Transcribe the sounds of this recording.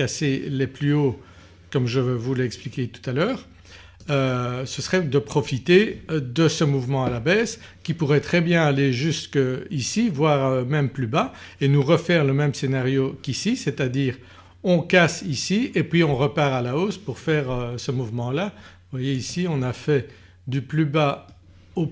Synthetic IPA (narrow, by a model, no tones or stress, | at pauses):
aseleplyo | kɔmʒəvvulɛksplikʲet̪u̥t̪alœːʁ | øsəsəʁɛd̪əpχɔfit̪ed̪əsəmuvmɑ̃alabɛːskʲipuʁɛt̪χɛbjɛ̃aleʒyst̪kəisivwaːʁømɛmplybaenuʁəfɛʁləmɛmsenaʁjokisiset̪ad̪iːʁ | ɔ̃kasisiepɥiɔ̃ʁəpaːʁalaoːspuʁfɛːʁøsəmuvmɑ̃la | vwajeisiɔ̃nafɛ | d̪yplyba | o